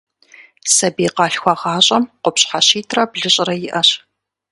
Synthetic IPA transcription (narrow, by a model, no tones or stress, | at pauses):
sɐbiːqɑːɬxʷɑʁɑːɕʼɐmqʷʊpɕʼħaɕiːtʰrɐbɮɨɕʼrɐjɪʔɐɕ